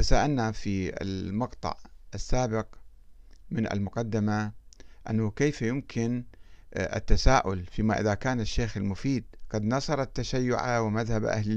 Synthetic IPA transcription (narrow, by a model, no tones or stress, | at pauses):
t̪asaːʔalnafiɪ̰lmɑqt̪ˤɑ̰ʕʔasːaːbɪq | mɪna̰lmʊqɑd̪ːɪmaʔanːʊkeːfjʊmkʰɪn | ʔɪ̰t̪ːasaːʔʊlfiːmaʔɪðakaːnɪʃːeːxɪlmʊfiːd̪ɡ̥ɑd̪nɑsˤɑɾˤɑt̪ːaʃajːʊ̰ʕawɪmaðhabʔa̰hlɪ